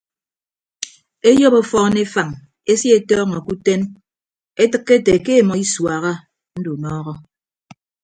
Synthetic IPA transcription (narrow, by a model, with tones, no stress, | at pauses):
e˦jo˦po˦fɔ˦ne˦fa˨ŋ | e˦sji˦e˨tɔː˦ŋɔ˨ku˦te˦n | e˦tɨ˦kːe˦te˨ke˦˨mɔ˨i˦swa˨ɣa˦ | n̩˦du˨nɔː˦ɣɔ˦